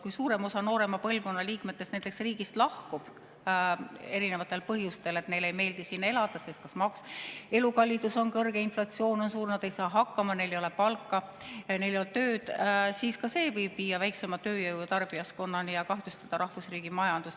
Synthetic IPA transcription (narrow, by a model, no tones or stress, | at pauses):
kujsuːɾe̞mo̞sɑno̞ːɾe̞mɑpɤlvko̞nːɑliːkme̞t̪ːˑestnænt̪ːˑe̞ksriːɡ̥ist̪lɑhkub̥ | e̞ɾine̞vɑt̪ːˑe̞lpɤɦjust̪e̞le̞t̪ne̞jle̞jme̞ːld̪isinːe̞lɑd̪̥ɑse̞st̪̚kɑsmɑkse̞lukɑlʲːid̪uso̞nkɤrɡ̥e̞inflɑt̪sio̞ːno̞nsuːrnɑd̪̥e̞jsɑːɦɑkːˑɑmɑne̞jle̞jo̞le̞pɑlkːˑɑ | ne̞jlejolt̪øːd̪̥siːskɑse̞ːvɤjb̥viːjːɑvæjkse̞mɑt̪ø̞ːjɤwt̪ɑrb̥ijɑsko̞nːɑnijɑkɑht̪ust̪ɑd̪̥ɑɾɑhvusriːɡ̥imɑjɑnd̪us